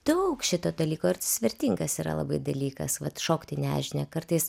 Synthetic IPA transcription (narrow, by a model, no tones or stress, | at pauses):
d̪̥ɐʊkʃʲɪt̪oːd̪ɐlʲiːkoːɪrt̪ɐsʲʋʲɪɾʲt̪ʲiŋɡɐsiːɾɐ̰lˠɐ̰bɐɪd̪ɐlʲiːkɐ̰sʋɐt̪ʃoːkt̪ʲɪnʲæːʒʲɪnʲɛkɐɾt̪ɐɪs